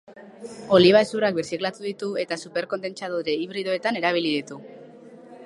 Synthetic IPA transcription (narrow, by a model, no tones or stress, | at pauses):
o̞liβ̞aesurak̚beɾsiklat̪uðit̪ue̞t̪asupe̞ɾko̞nd̪e̞nt͡ʃaðoɾeiβɾiðo̞e̞t̪ane̞ɾaβ̞iliðit̪u